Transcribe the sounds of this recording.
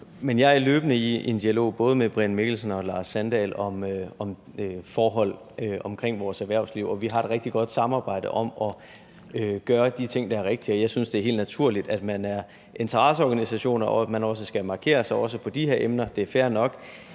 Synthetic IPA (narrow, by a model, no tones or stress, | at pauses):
menjɑ̈ɪæɐløːb̥ənəiend̥iælo̝̰ːb̥ɔ̽ːð̞ˠəmeb̥ʁenmeɡ̥l̩sənɒ̽lɑ̈ːsːænd̥ɛ̰lɒ̽mɒ̽m | fɒːɦɒ̽l̰ | øɒ̽mkʰʁeŋ̰ʋɒːsæɐʋæɐ̰ʊsliʊɒ̽ʋiɦɑ̈e̝d̥ʁeɡ̥d̥iɡ̥ɒ̽d̥sɑ̈mɑ̈ːb̥ɑ̈ɪ̰d̥əʔɒ̽mɒ̽ | øɡ̥ɶːɐd̥it͡sʰe̝ŋ̰d̥ɑ̈æɐʁeɡ̥̚d̥iɒ̽jɑ̈ɪsynsd̥e̝æɐɦe̝ːld̥næt͡sʰuɐ̰lid̥æd̥mænæɐ | ʔe̝nt͡sʰɐʁɑ̈səɒːɡ̥ænisæɕo̝̰ːnɐɒæ̥mænɒ̽s̬əsɡ̥æmɑ̈kʰe̝̰ːɐsɑ̈ɪɒ̽s̬əpʰɒ̽d̥ihe̝ɐʔemnɐd̥e̝æɐfæɐnɒ̽ɡ̥